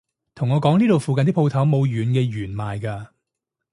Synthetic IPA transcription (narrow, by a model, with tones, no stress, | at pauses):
t̪ʰʊ˨˩ŋɔː˨˧kɔː˨˥ŋniː˥t̪o˨wfu˨˧kɐ˨nt̪i˥pʰo˧wt̪ʰɐ˨˥wmo˨˧wjyː˨˥nkɛː˧jyː˨˩nmaː˨jkaː˧